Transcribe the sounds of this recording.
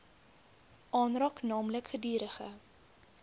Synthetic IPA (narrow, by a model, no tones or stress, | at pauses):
ʔɑːnrɑːknɑːmləkχədiːɾəχə̰